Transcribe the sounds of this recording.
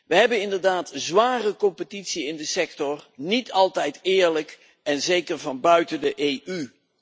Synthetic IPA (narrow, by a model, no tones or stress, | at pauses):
ʋəɦɛbənɪndəɹdaːtzʋaːrəkɔmpətitsiɪndəsɛktɔrnitʰɑlˠtɛjtɪːɹlək | ɛnzejkəɹvɑnbœɥtəndəʔejy